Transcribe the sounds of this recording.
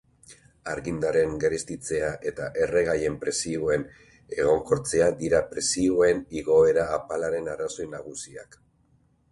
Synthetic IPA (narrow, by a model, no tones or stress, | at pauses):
aɾɣind̪aɾe̞ŋɡeɾest̪it͡se̞aʔe̞t̪aʔe̞re̞ɣ̞aje̞mpɾe̞sioe̞n | e̞ɣ̞o̞ŋko̞ɾt͡se̞ad̪iɾapɾe̞sioe̞niɣ̞o̞e̞ɾaːpalaɾe̞naraso̞jnaɣ̞usia̰k